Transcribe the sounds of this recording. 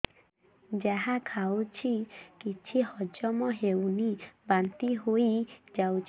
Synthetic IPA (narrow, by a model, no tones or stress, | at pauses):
d͡ʒaɦakʰawt͡ʃʰikit͡ʃʰihɔd͡ʒɔmɔɦewnibant̪iɦoid͡ʒawt͡ʃʰ